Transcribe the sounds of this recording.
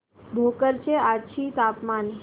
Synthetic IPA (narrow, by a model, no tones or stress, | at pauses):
bʱoːkəɾt͡ɕeat͡ɕʰit̪apmaːnɦ